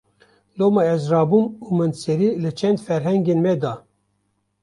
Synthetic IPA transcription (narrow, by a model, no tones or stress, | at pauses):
lomɑɛzrɑːbumumɨnsɛɾilɨt͡ʃʰɛnd̪fɛɾɦɛŋɡenmɛd̪ɑ